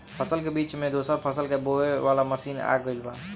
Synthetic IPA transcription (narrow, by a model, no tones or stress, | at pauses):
pʰəsəlkebiːt͡ʃmẽd̪osəɾpʰəsəlkeboeʋalaməsiːna̰ɡəjlban